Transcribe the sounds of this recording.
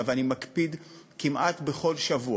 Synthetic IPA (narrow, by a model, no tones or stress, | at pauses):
aveanimakpid̪kimʔat̪beχo̞lʃavu